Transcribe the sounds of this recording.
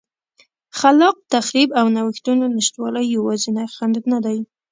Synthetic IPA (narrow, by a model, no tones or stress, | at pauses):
xalɑq̚t̪axɾibawnawəxt̪unonɪʃt̪wɑləjːawɑzinajxand̪ud̪nad̪aj